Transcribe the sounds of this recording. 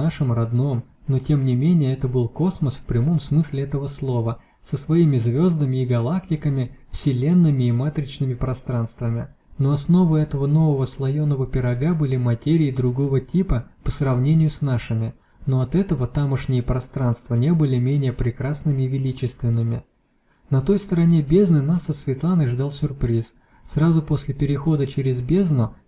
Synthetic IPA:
aʂɨmrɐd̪no̞m | no̞tʲe̞mnʲɪmʲenʲɪjəɛt̪əbɨlˠko̞sməsfpɾʲɪmo̞msmɨsʲlʲɪɛt̪əvəslˠo̞və | səsvɐimʲɪzvʲo̞zd̪əmʲɪːɡɐlˠaktʲɪkəmʲɪfsʲɪlʲe̞nːɨmʲɪimat̪ɾʲɪt͡ɕnɨmʲɪpɾɐst̪ɾanst̪vəmʲɪ | no̞ɐsno̞vɨɛt̪əvəno̞vəvəslˠɐjo̞nːəvəpʲɪɾɐɡabɨlʲɪmɐtʲeɾʲɪɪd̪ɾʊɡo̞vətʲipəpəsrɐvnʲenʲɪjʊsnaʂɨmʲɪ | no̞ɐt̪ɛt̪əvət̪aməʂnʲɪjəpɾɐst̪ɾanst̪vənʲe̞bɨlʲɪmʲenʲɪjəpɾʲɪkɾasnɨmʲɪːvʲɪlʲit͡ɕɪst̪vʲɪnːɨmʲɪ | nɐt̪o̞jst̪əɾɐnʲe̞bʲe̞znɨnasɐt̪svʲɪt̪lˠanɨʐd̪alˠsʲʊrpɾʲis | srazʊpo̞sʲlʲɪpʲɪɾʲɪxo̞d̪ət͡ɕɪɾʲɪzbʲe̞znʊ

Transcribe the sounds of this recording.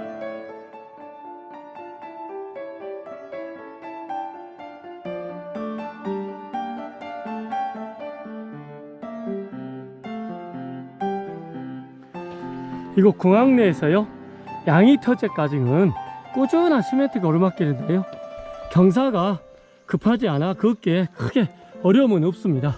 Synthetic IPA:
iɡokoŋaŋne̞ːsʰʌjo | jaŋitʰʌt͡ɕ͈e̞k͈ad͡ʑiŋɯnk͈od͡ʑʌnaɕʰimetʰɯɡʌɾɯmak͈eɾɯndejokjʌŋs̬ʰaɡa | kɯpʰad͡ʑianakɯk͈ekʰɯɡe̞ | ʌɾjʌmɯnop̚s͈ɯmɲida

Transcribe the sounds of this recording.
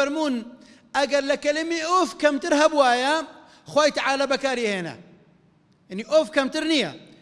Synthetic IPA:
aɾmuːn | ʔaɡaɾˤlakalɪmiʔoːfkamt̪ɪɾɦabwaːja | xwaːjt̪aʕaːlabakaːɾiheːna̰ | janiʔoːfkamt̪ɪɾnɪja̰

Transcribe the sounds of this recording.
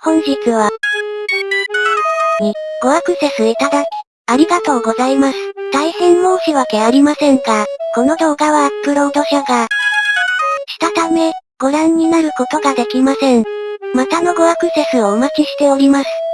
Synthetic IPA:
hõ̞ɲ̟ʑit͡sɨβ̞a | ɲ̟iɡ̥o̞akɯ̟se̞sɨit̪ad̪akʲi̥ | aɾʲiɡat̪o̞ːɡo̞zaimasɨ̥t̪aihẽ̞nːo̞ːɕiβake̞aɾʲimasẽ̞ŋkako̞no̞d̪o̞ːɡaβat͡sɨ̥kɯ̟ɾo̞ːd̪o̞ɕaɡa | ɕi̥t̪at̪ame̞ | ɡ̥o̞ɾãɲ̟ːinaɾɯ̟ko̞t̪o̞ɡad̪e̞kʲimasẽ̞ɴmat̪ano̞ɡo̞akɯ̟se̞sɨoːmakiɕi̥t̪e̞o̞ɾʲimasɨ̥

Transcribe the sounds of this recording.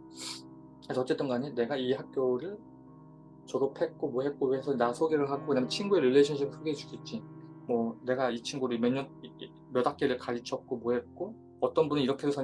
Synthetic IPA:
esʰʌt͡ɕ͈e̞t͈ɯnɡaɲene̞ɡaiɦak̚k͈joɾɯɭ | t͡ɕʌɾopʰe̞k͈omoɦe̞t̚k͈oeesʰʌnasʰoɡeɾɯɭɦaɡoɲamjʌnt͡ɕʰinɡueɾilːeɕʰʌnɕʰiɡɯsʰɯɡeed͡ʑu̥kʰit͡ɕ͈imwʌne̞ɡait͡ɕʰinɡuɾɯmʌɲːʌn | mjʌdak͈eɾɯɭkaɾit͡ɕʰʌk̚k͈omoɦe̞t̚k͈o | ʌt͈ʌnbunɯiɾʌkʰedosʰʌ

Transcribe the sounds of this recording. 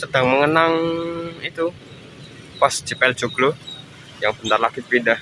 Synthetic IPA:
sədaŋməŋənaŋit̪u | pasd͡ʒ̥ipɛld͡ʒuɡlo | jaŋbənt̪arlakit̪̚bidah

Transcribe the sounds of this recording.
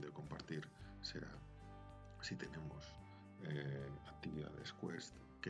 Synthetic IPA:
d̪eko̞mpaɾt̪iɾse̞ɾa̰ | sit̪e̞ne̞mos | eak̚t̪iβiða̰ðe̞̰skwest̪ | ke

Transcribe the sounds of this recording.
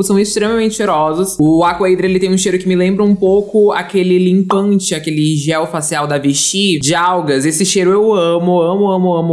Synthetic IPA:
sɐ̃w̃ɪst̪ɾemɐmẽnt͡ʃɪ̥feɾɔzɐsʊakʊejd̪ɾelɪt̪ẽj̃ũʃejɾʊkɪmɪlẽmbɾɐũmpowkʊa̰kelɪlĩmpɐ̃nt͡ʃɪakelɪʒɛwfasiawd̪ɐvɪʃid͡ʒɪawɡɐsesɪʃejɾʊewɐ̃mʊɐ̃mʊɐ̃mʊɐ̃mʊ

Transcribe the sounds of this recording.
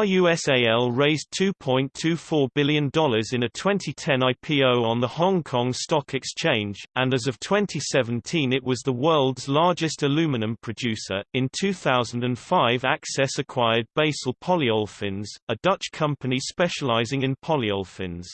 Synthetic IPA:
əjʉɛseɪɛlˠɹeɪztʰʉːpʰɔ̃ɪ̃ntʰʉːfɔːbɪlˠjə̃ndɒlˠəzɪ̃nətʰw̥ɛ̃ntʰitʰɛ̃naɪpʰiːoʊə̃nðəhɒ̃ŋkʰɒ̃ŋstɒkʰɛkst͡ʃʰẽɪ̃nd͡ʒʔə̃nəzʌv̥tʰw̥ɛ̃ntʰisɛvə̃ntʰĩnɪʔwɒzðəwɜːlˠdzlɑɹd͡ʒɪstəlʉːmɪnə̃mpʰɹ̥ɨd͡ʒʉˑsə̰ɹɪ̃ntʰʉːθaʊz̃n̩də̃nfaɪvaksɛsəkʰw̥aɪəd̚beɪsəlˠpʰɒliɔlˠfɪ̃nz̥ədʌt͡ʃkʰʌ̃mpənispɛʃəlaɪzɪ̃ŋɪ̃npʰɒliɔlˠfɪ̰̃nz̥

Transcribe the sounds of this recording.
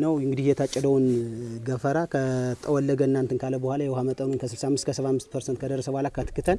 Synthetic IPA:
nəwɨŋɡɨd̪ihjɛt̪ʰat͡ʃʼːɪd̪əwnɡəfəɾakʰət̪ʼːəwɔlːəɡəɨnːant̪ʰɨnkʰaləbuhʷalajɛwhamət̪ʼənunkʰəsɨlsamːɨst̪kəsəβamːɨst̪pʰəɾsənt̪kəd̪ərːəsəbuhalakʰːat̪ʰɨ̥kːɨt̪ʰən

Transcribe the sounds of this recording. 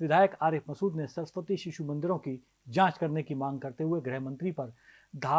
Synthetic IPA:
ʋɪd̪ʱaːjəkaːɾeːpmɐsuːd̪nesɐɾspət̪iʃɪʃumɐ̃nd̪ɪɾõki | d͡ʒãːt͡ʃkɐɾnekimãːŋɡ̚kɐɾt̪eɦʊeɡɾɛɦmɐ̃nt̪ɾipɐɾ | d̪ʱaː

